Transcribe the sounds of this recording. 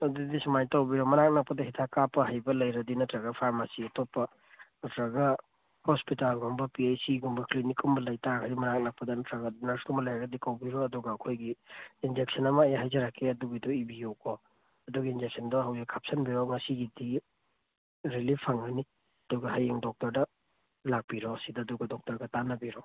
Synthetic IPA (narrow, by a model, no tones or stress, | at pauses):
ɐdidisɐmajtawbiɾɔmɐnak̚nak̚pːɐdɐɦitʰakapːɐɦajbɐlɐjɾɐdinɔtɾaɡɐpʰaɾmasiɐtopːɐ | nɔtɾaɡɐ | hospitalɡɔmbɐpiejsiɡɔmbɐklinikʰumbɐlɐjtaɡaɾimɐnak̚nɐk̚pːɐdɐnɐtɾaɡanaskumbɐlajaɡɐdikawbiɾɔɐduɡɐːkʰojɡiːnd͡ʒek̚sɐnɐmɐːjaɦajzɐɾakʰːeɐduɡidɔibijokʰɔ | ɐduɡiind͡ʒek̚sɐndɔhawjakʰap̚sɐnbiɾɔŋɐsiɡidi | ɾilipʰːaŋɐni | ɐduɡɐɦajeŋdɔk̚tɐɾdɐ | lak̚b̥iɾɔsidɐːduɡɐdɔk̚tɐɾɡɐtanɐbiɾɔ